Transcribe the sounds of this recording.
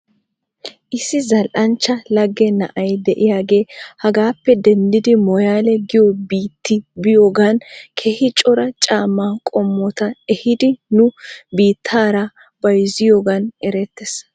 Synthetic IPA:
ʔɪsːɪzɐlʔɐnt͡ʃːɐlɐɡːɛnɐ̰ʔɐjd̪ɛʔɪjaːɡe̞ːhɐɡaːpːɛd̪ɛnd̪ɪd̪ɪmɔjaːlɛɡɪjɔbiːt̪ːɪbɪjoːɡaːnkʰehɪt͡ʃʼɔɾɐt͡ʃʼaːmːaːkʼɔmːɔt̪ɐɛhɪd̪ɪnʊbiːt̪ʰːaːɾɐ | b̥ɐjɪzɪjoːɡɐnɛɾɛt̪ːɛs

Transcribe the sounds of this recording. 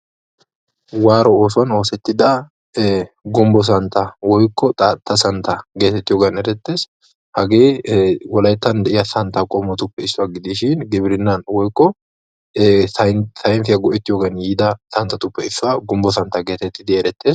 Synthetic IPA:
waːɾɔoːsʊɐno̞ːsɛt̪ːɪd̪ɐ | ɡʊmbɔs̬ɐnt̪ɐwɔjkːɔt̪ʼɐt̪ːɐsɐnt̪ɐɡe̞ːt̪ɛt̪ːɪjoːɡɐnɛɾɛt̪ːe̞ːs | hɐɡeːwɔlɐjt̪ːɐnd̪ɛʔɪjɐsɐnt̪ɐkʼɔmɔt̪ʊpːɛɪsːʊɐɡɪd̪iːʃɪnɡɪbɪɾɪnːɐnwɔjkːɔ | t̪ɐjnfɪjɐɡɔʔɛt̪ːɪjoːɡɐnjiːd̪ɐsɐnt̪ːɐt̪ʊpːɛɪsːʊaɡʊmbɔsɐnt̪ɐɡeːt̪ɛt̪ːɪd̪ɪɛɾɛt̪ːe̞ːs

